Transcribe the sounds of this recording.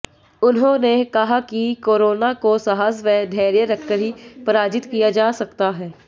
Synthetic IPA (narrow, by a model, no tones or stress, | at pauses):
ʊnɦõnekɐɦakikoːɾoːnakosɐɦaːsʋɛːd̪ʱɛːɾjəɾɐkːəɽ̤ipɐɾaːd͡ʒɪt̪kijad͡ʒaːsɐkt̪aɦɛː